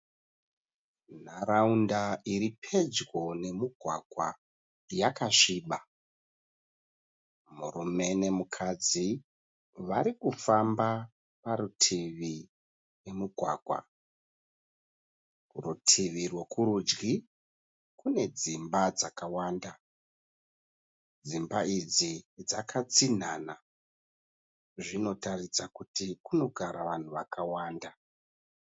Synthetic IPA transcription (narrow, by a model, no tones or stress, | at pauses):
naɾaundaiɾipʰe̞d͡zwo̞ne̞muɡʱwa̰ɡʱwa̰ | jakaʂiːɓa | murume̞ne̞mukʰad͡zi | ʋaɾikufamba | paɾutʰiʋi | we̞muɡʱwa̰ːɡʱwa̰ | rutʰiʋirwekuɾud͡ʒɡi | kune̞d͡zimbad͡zakawaːnda | d͡zimbaid͡zid͡zakʰat͡sin̤ana | ʐino̞tarit͡sakutikuno̞ɡʱaɾaʋan̤uʋakawaːnda